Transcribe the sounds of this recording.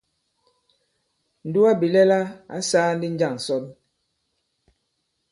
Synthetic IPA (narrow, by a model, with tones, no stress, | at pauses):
n̩˨du˦a˦bi˨lɛ˦la˦a̰˦saː˦n̩˦di˦n̩˦d͡ʒa˦˨ŋ̩˨sɔ˦n